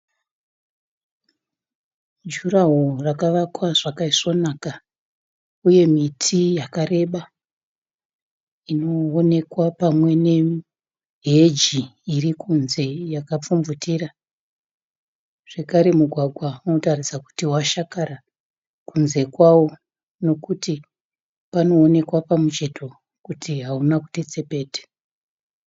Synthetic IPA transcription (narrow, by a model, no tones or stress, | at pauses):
d͡ʒuraɦorakaʋakwaʐakaiʂo̞naka | uje̞mitʰijakare̞ɓa | ino̞ːne̞kwapamwe̞ne̞ | ɦe̞d͡ʒiːrikunze̞jakap͡fumvutira | ʐ̥e̞kaɾe̞muɡʱwaɡʱwauno̞tarisaku̥tiwaʃakaɾa | kunze̞kwawo̞ | no̞kuti | pano̞ːne̞kwapamut͡ʃe̞tʰo | kutiɦaunaku̥tet͡sepe̞ːte̥